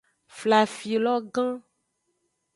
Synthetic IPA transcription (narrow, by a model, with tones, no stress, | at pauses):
fla˨fi˨lɔ˦ɡã˦